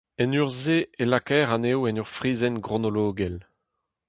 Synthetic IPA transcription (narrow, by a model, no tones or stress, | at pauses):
ɛnyʁzeelakɛːʁanewɛnyʁfʁiːzɛnɡʁonoloːɡɛl